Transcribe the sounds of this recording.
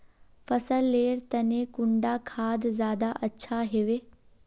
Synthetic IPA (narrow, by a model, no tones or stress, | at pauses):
fɐsəlːeːɾt̪ɐnẽkʊɳɖakʰaːd̪zjaːd̪aʔɐtːɕʰaɦeːʋeː